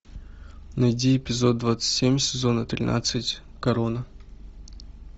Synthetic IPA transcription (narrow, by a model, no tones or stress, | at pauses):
nɐjdʲiɪpʲɪzo̞d̪̚d̪vat̪sɨ̥tʲsʲemʲsʲɪzo̞nət̪ɾʲɪ̰nʔa̰t̪sɨtʲkɐɾonə